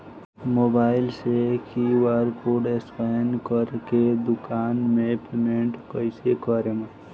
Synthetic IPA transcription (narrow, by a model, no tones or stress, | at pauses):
moːbaːɪlsekiwaɾkoɖespajnkəɾked̪ʊkaːnmẽpʰemeɳʈkəɪsekəɾemə